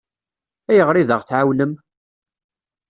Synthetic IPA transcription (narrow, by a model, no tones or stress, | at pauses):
æjəʁɾiðəʁθʕawnəm